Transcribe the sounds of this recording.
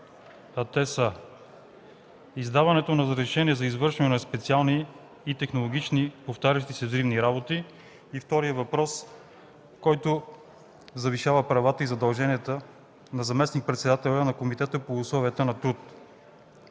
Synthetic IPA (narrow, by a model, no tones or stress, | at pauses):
ɐt̪ɛsə | izd̪avɐnɛt̪onɐzɾɛʃɛniɛzɐizvɤɾʃɛnɛnɐspɛt̪sialˠniː | t̪ɛxnolˠoɡ̟ʲit͡ʃnipoft̪aɾʲɐʃt̪isɛzɾivniɾabot̪i | ift̪ɔɾijəvɐpɾɔs | kɔjt̪o | zɐviʃavəpɾɐvat̪əizɐd̪ɐlˠʒɛniət̪ə | nɐzɐmɛsnik̚pɾɛt̪sɛd̪at̪ɛlʲənɐkomit̪ɛt̪əpoːslˠɔviət̪ənɐt̪ɾut̪